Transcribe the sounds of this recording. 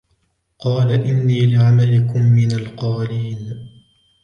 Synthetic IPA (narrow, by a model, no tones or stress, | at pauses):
qɑːlaʔɪnːiːlɪʕamalɪkʊmːɪnalqɑːliːn